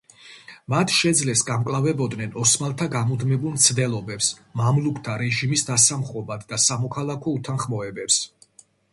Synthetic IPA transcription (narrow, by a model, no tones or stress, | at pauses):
mat̪ʰʃɛd̪zlɛsɡamkʼlˠavɛbɔd̪nɛnɔsmalˠt̪ʰaɡamud̪mɛbulˠmt̪sʰd̪ɛlˠɔbɛpsmamlukʰt̪ʰaɾɛʒimisd̪asamχɔbad̪ːasamɔkʰalˠakʰɔut̪ʰanχmɔɛbɛps